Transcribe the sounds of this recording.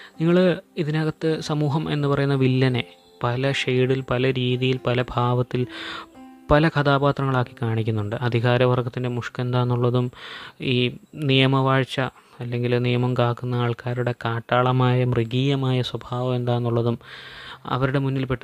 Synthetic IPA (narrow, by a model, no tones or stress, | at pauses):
niŋːɐɭiðinaːɣɐt̪ːɨsɐmuːɦɐme̞̰nːɨpɐrɐjunːɐʋilːɐne̞ | pɐlɐʂejɽilpɐlɐɾiːðijilpɐlɐbʱaːʋɐt̪ːil | pɐlɐkʰɐt̪aːbaːt̪rɐŋːɐɭaːkːi̥kaːɳikʲːunːuɳɖɨʔɐd̪ʱiɣaːɾɐʋɐrɡɐt̪ːinde̞muʂke̞nd̪aːnːuɭːɐðumiːnijɐmɐʋaːɻt͡ɕːɐː | lːe̞ŋɡilnijɐmɐmkaːkːunːɐaːɭkaːɾuɽe̞kaːʈːaːɭɐmaːjɐmriɡiːjɐmaːjɐswɐbʱaːʋɐme̞nd̪aːnːuɭːɐðum | ɐ̰ʋɐɾuɽe̞munːilpe̞ʈːɨ